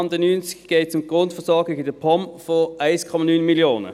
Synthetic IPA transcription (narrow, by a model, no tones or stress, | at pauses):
nd̪ənyːnskɡ̥eɪt͡sʊmɡ̥ʁʊntfəɐsɔɐɡɪɡdepʰɔmfɔʔaɪskʰɔmɑnyːnmiljoːnə̰